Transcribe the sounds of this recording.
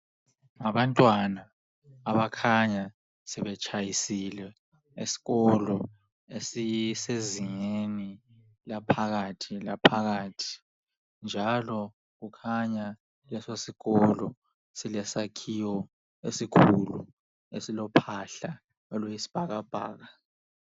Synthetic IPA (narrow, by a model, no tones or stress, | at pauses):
ŋaɓantʼwanaː | ɓakʰaɲa | sɛɓɛt͡ʃʼʰajisilɛ | isi̥kɔlɔ | esiseziŋeni | lapʰak̬atʰilapʰak̬aːtʰi̥ | nd͡ʒʱalɔ | k̬ukʰaɲa | lɛsosikɔlɔ | silɛsakʰiwɔ | esikʰulṵ | esilɔpʰaɬa | ɔlwɔjisi̥b̥ʱak̬ab̥ʱa̰ːk̬a